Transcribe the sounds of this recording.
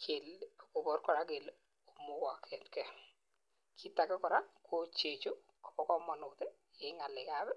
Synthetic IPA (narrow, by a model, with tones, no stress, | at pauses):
kʰɪ˨lko˨bɔ˦ɾkɔ˨ɾa˦ke˨l | o˨mʊ˦ka˨kʰɛ˨tkɛ˦ | kʰɪ˦ta˨kɛ˦kɔ˨ɾa˦kʰo˦t͡ʃe˨t͡ʃo˦ | kɔ̥˨bɔ˨kɔ˦mɔ˨nʊ˨t̪ɛ˦ | ɪ˨˦ŋa˨lɪ˨ka˦bɛ˦